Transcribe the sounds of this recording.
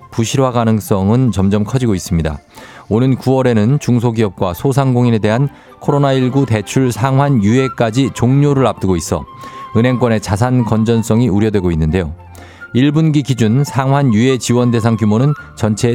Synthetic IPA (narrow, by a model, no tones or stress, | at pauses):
puɕʰiɾwaɡanɯŋs͈ʌŋɯnt͡ɕʌmd͡ʑʌmkʰʌd͡ʑiɡois͈ɯmɲida̰onɯnkuwʌɾe̞nɯnt͡ɕuŋs̬ʰoɡiʌp̚k͈wasʰosʰaŋɡoŋine̞de̞ɦan | kʰoɾonaiɭɡute̞t͡ɕʰuɭsʰaŋɦwanjue̞k͈ad͡ʑit͡ɕoŋɲoɾɯɾap̚t͈ɯɡois͈ʌ̰ɯne̞ŋkwʌne̞t͡ɕas̬ʰankʌnd͡ʑʌns͈ʌŋiuɾjʌdwe̞ɡoinːɯnde̞jo | iɭbunɡiɡid͡ʑunsʰaŋɦwanjue̞t͡ɕiwʌnde̞sʰaŋkjumonɯnt͡ɕʌnt͡ɕʰe̞